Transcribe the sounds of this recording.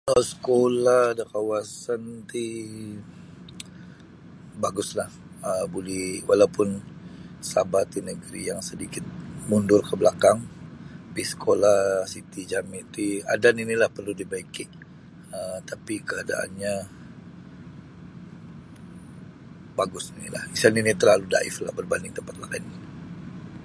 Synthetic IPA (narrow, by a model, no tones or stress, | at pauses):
əsə̥kolahdakawasant̪i | baɡʊslah | əbulɛhwʔalawpʊn | sabat̪inəɡəɾḭjaŋsədikɪt̪̚mundʊrkəbəlakaŋpisə̥kʰolahsit̪id͡ʒamit̪ia̰daninilahpərludibaikɪʔ | ət̪apikəada̰ʔa̰nɲa | baɡʊsinḭla̰hisaninit̪ərlaluda̰ɪ̰fla̰hbərbandɪŋt̪əmpat̪̚lakaini